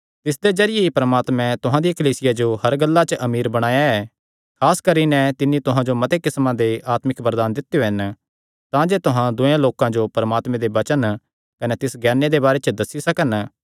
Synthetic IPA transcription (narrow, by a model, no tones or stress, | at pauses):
t̪ɪs̬d̪ezɐɾɪjeipɾɐmaːt̪mɛ̃t̪ʊɦãd̪ijakɐliːsɪjad͡ʒoɦɐɾɡɐlːat͡ʃəʔɐmiːɾbɐɽ̃aːjaɛː | kʰaːskɐɾinɛt̪ɪnːĩt̪ʊɦãd͡ʒomɐt̪ekɪsmãd̪eʔaːt̪mɪkbɐɾd̪aːnd̪ɪt̪ːjoɦɪn | t̪ãd͡ʒeːt̪ʊɦãd̪ʊjãloːkãd͡ʒopɐɾɐmaːt̪mɛ̃d̪ebɐt͡ʃən | kɐnet̪ɪsɡɛːned̪ebaːɾet͡ʃəd̪ɐsːisɐkən